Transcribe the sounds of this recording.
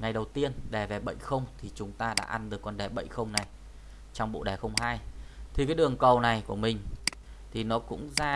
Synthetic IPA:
ŋa˨˩jɗə˨˩wt̪i˧ənɗɛ˧˩ve˨˩ɓə̰˧˨jxə˧wŋ͡mt̪ʰi˨˩t͡ɕʊ˨˦ŋ͡mt̪aː˧ɗa̰ː˧˥ʔa˧nɗɨ˨˩əkːɔ˧nɗɛ˨˩ɓə̰˧˨jxə˧wŋ͡mna˨˩j | t͡ɕɔ˧wŋ͡mɓo̰˧˨ɗɛ˨˩xə˧wŋ͡mɦhaː˧jt̪ʰi˨˩kaː˨˦jɗɨ˨˩əŋkə˨˩wna˨˩jku˧˩əmï˨˩ŋ̟ | t̪ʰi˨˩nɔ˨˦kʊ̰˧˥ŋ͡mzaː˧

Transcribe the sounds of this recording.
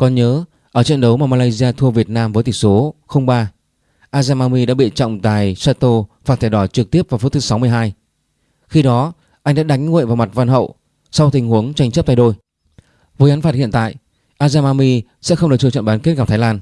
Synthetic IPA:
kɔ˨˩nɲəː˨˦ | ʔəː˧˩t͡ɕɛ̰˧˨nɗə˨˦wmaː˨˩maː˧aː˧jzi˧aː˧t̪ʰu˧əvi˨˩ət̚naː˧mvəː˨˦jt̪i˨˩ŋso˨˦xə˧wŋ͡mɓaː˧ | ʔaː˧zaː˧maː˧mi˧ɗa̰ː˧˥ɓḭ˧˨t͡ɕɔ̰˧˨wŋ͡mt̪a̰ː˨˩jsaː˧t̪o˧faː˨˩t̪̚ʰɛ˧˩ɗwa˧˩t͡ɕɨ˨˩k̚t̪i˦˥əp̚va˨˩fu˦˥t̪ʰɨ˨˦sa˨˦wmɨ˧əjɦaː˧j | xi˧ɗɔ˨˦ | ʔa˧jŋ̟ɗa̰ː˧˥ɗa˨˦ŋ̟ŋṵ˧˨jvaː˨˩wma˨˩t̚va˧nɦə̰˧˨w | sa˧wt̪ï˨˩ŋ̟hu˨˦əŋt͡ɕa˧jŋ̟t͡ɕə˦˥p̚t̪aː˧˨ɗo˧j | vəː˨˦jʔa˨˦nfaː˨t̚hḭ˧˨ənt̪a̰ː˧˨j | ʔaː˧zaː˧maː˧mi˧ | sɛ̰˧˥xə˧wŋ͡mɗɨ˨˩k̚t͡ɕɨ˧˩t͡ɕə̰˧˨ɓaː˨˦nke˦˥t̚kaː˧p̚t̪ʰaː˨˦jlaː˧n

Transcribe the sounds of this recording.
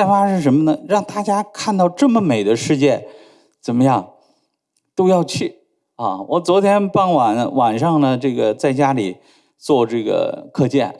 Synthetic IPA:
fa˥ʂɻə˥ŋʂ̬ə˧˥mə˧nə˨ɻɑ˥˧ŋt̪a˥˩t͡ɕja˥kʰa˥˧nt̪ɑ˥˧ʊʈ͡ʂɤ˥˩mə˩me˨˩ɪd̪ə˦ʂɻ̩˥˧t͡ɕjɛ˥˩n | t͡sə˨˩nmə˦jɑ˥˩ŋ | t̪o˥ʊjɑ˥˧ʊt͡ɕʰy˥˩ | ɐ˥˩wʔɔ˧˥t͡swɔ˧˥t̪ʰjɛ˥npɑ˥ŋwa˧˥nwa˨˩nʂɑ˥˧ŋnə˩ʈ͡ʂɤ˥˩ɡə˩t͡sa˥˩ɪt͡ɕja˥li˨˩˦ | t͡swɔ˥˧ʈ͡ʂɤ˥˩ɡə̰˩kʰɤ˥˧t͡ɕjɛ̰˥˩n

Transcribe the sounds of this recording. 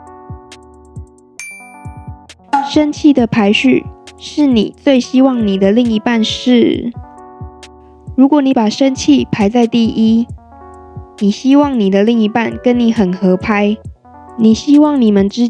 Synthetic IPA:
ʂə˦˥nt͡ɕʰi˥˩d̪ə˩pʰa˧˥ɪɕy̰˥˩ʂɻ̩˥˩ni˨˩t͡swe˥˩ɪɕi˥wɑ˥˩ŋni˨˩d̪ə˦li˥˩ŋi˧˥pa˥˧nʂɻ̩˥˩ | ɻu˧˥kwɔ˨˦ni˨˦˥pa˨˩ʂə˦˥nt͡ɕʰi˥˨pʰa˧˥ɪt͡sa˥˧ɪt̪i˥˩ʔi˦ | ni˨˩ɕi˥wɑ˥˩ŋni˨˩d̪ə˦li˥˩ŋi˧˥pa˥˨nkə˦nni˨˧˥xə˨˩nxɤ˧˦pʰa˥ɪ | ni˨˩ɕi˥wɑ˥˨ŋni˨˩mə˦nʈ͡ʂɻ̩˥

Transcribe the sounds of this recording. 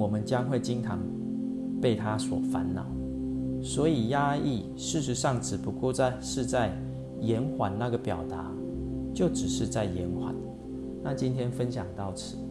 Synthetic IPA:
wɔ˨˩mə˨˦nt͡ɕjɑ˦ŋxwe˥˩ɪt͡ɕi˦ŋtʰɑ˧˦ŋ | pe˥˩ɪt̪ʰa˦swɔ̰˨˩fa̰˨˦nnɑ̰˨˦ʊ | swɔ˧˥i˨˩ja˥i˥˨ | ʂɻ̩˥˩ʂ̬ɻ̩˧˦ʂɑ˥˩ŋʈ͡ʂʰɻ̩˨˩pu˧˥kɔ˥˧ʊt͡sa˥˧ɪʂɻ̩˥˧t͡sa˥˩ɪ | jɛ˧˦nxwa˨˩nna˥˩ɡə˩pjɑ˨˩ʊt̪a̰˧˦ | t͡ɕjo˥˩ʊʈ͡ʂɻ̩˨˩ʂɻ̩˥˧t͡sa˥˩ɪjɛ˨˧˦nkxwa̰˨˩˦n | na˥˨t͡ɕi˦nt̪ʰjɛ˥nfə˦nɕjɑ˨˩ŋt̪ɑ˥˩ʊt͡s̩ʰ˨˩˦

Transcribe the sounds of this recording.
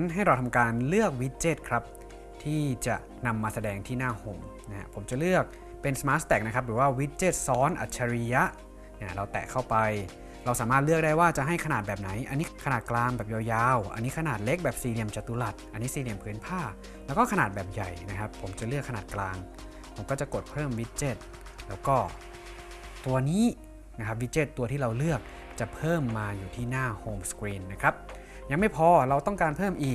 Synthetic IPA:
nɦa˥˩jɾa˧wt̪ʰa˧mkaː˧nlɯ˥˩ək̚wi˦˥t̪̚t͡ɕeː˦˥˩t̪̚kʰɾa˦˥p̚ | t̪ʰiː˥˩t͡ɕa̰˨˩ʔ | na˧mːaː˧sa˧dɛː˧ŋt̪ʰiː˥˩naː˥˩ho˨˩mna˦˥ha̰˦˥pʰo˩˦mt͡ɕa˨˩lɯ˥˩ək̚ | pe˧nsmaː˦˥t̪̚st̪ɛː˨˩k̚na˦˥kʰa˦˥p̚ɾɯː˩˦waː˥˩wi˦˥t̪̚t͡ɕeː˥˩t̪̚sɔː˦˥nʔa̰˨˩t̪̚t͡ɕʰːa˧ɾi˧˥ja˦˥ | na˧˥˩ɾa˧wt̪ɛ̰˨˩kʰa˥˩wpa˧j | ɾa˧wsaː˩˦maː˥˩t̪̚lɯ˥˩ək̚daː˥˩jwaː˥˩t͡ɕa˨˩ʔɦa˥˩jkʰa˧naː˨˩t̪̚bɛː˨˩p̚na˩˦jʔa˧nːiː˦˥kʰa˧naː˨˩t̪̚klaː˧ŋbɛː˨˩p̚jaː˧wjaː˧wʔa̰˧nːiː˦˥kʰa˧naː˨˩t̪̚le˦˥k̚bɛː˨˩p̚siː˧˩li˧əmt͡ɕa˨˩t̪ːu˧˦la˨˩t̪̚ʔa˧nːiː˦˥siː˧li˧əmpʰɯː˨˦˥npʰaː˥˩ | lɛː˦˥wkɔː˥˩kʰa˧naː˨˩t̪̚bɛː˨˩p̚ja˨˩jna˦˥kʰa˦˥pʰːo˩˦mt͡ɕa˨˩lɯ˥˩əkʰːa˧naː˨˩t̪̚klaː˧ŋ | pʰo˩˦mkɔː˥˩t͡ɕa˨˩ko˨˩t̪̚pʰɤː˥˩mwi˦˥t͡ɕe˧˩t̪̚ | lɛː˦˥wkɔː˥˩ | t̪u˧ɐniː˦˥ | na˦˥kʰa˦˥p̚wi˦˥t͡ɕe˦˧˩t̪ːu˧ət̪ʰiː˥˩ɾa˧wlɯ˥˩ək̚ | t͡ɕa˨˩pʰɤː˥˩mːaː˧juː˨˩t̪ʰiː˥˩naː˥˩hoː˧mskwiː˧nːa˦˥kʰɾa˦˥p̚ | ja˧ŋma˥˩jpʰɔː˧ɾa˧wt̪ɔ˥˩ŋkaː˧npʰɤː˥˩mʔiː˨˩k̚

